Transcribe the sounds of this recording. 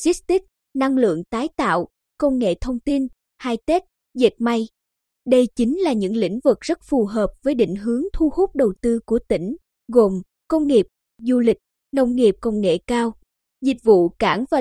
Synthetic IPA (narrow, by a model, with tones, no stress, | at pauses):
si˦˥s̚t̪i˦˥k̚ | na˧ŋlɨ̰˧˨əŋt̪aː˨˦jt̪a̰ː˧˨w | kə˧wŋḛ˧˨t̪ʰə˧wŋ͡mt̪i˧n | haː˧jt̪e˦˥t̚ | ze˨˩t̚ma˧j | ɗə˧jt͡ɕi˨˦ŋ̟laː˨˩ɲɨ̰˧˥ŋlḭ̈˧˥ŋ̟vɨ˨˩k̚z̥ə˦˥t̚fu˨˩ɦəː˨˩p̚v̥əː˨˦jɗḭ˧˨ŋ̟ɦɨ˨˦əŋt̪ʰu˧hu˦˥k͡p̚ɗə˨˩wt̪ɨ˧ku˧˩ət̪ï˧˩ŋ̟ | ɣo˨˩m | kə˧wŋ͡mŋi˨˩əp̚ | zu˧lï˨˩k̟̚ | nə˧wŋ͡mŋi˨˩əp̚kə˧wŋ͡mŋḛ˧˨kaː˧w | zi˨˩k̚vṵ˧˨kaː˧˩ŋvaː˨˩